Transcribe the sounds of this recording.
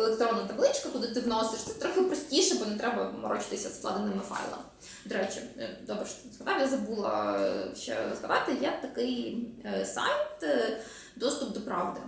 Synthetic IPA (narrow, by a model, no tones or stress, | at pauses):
elˠekt̪ɾɔnːɐt̪ɐblˠɪt͡ʃkɐkʊd̪ˠɪt̪ɪʋnɔsɪʃt̪sɛt̪ɾɔxʲɪpɾɔsʲtʲiʃɛbɔnɛt̪ɾɛbɐmɐɾɔt͡ʃɪ̥t̪ɪsʲɐsp̪lˠɑ̰d̪ɪnɪmɪfɑ̰jlˠɐ̰mɪ | d̪ɔɾɛt͡ʃɪd̪ɔbɾɛʃskɐd̪ɑjjazɐbulˠɐ̰ʃt͡ʃɛ̰ɾɔ̰zɦɐd̪ɑt̪ɪjɛt̪ɐkɪj | sɑ̰jt̪ | d̪ɔst̪ʊp̚d̪ɔpɾɑʋd̪ɪ